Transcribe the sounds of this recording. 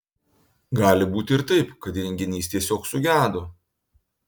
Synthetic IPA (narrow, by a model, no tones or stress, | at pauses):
ɡɑːlʲɪbuːt̪ʲɪɪɾt̪ɐɪpkɐt̪ɾʲɛŋʲɡʲɪnʲiːst̪ʲiɛsʲoːksʊɡʲæːd̪o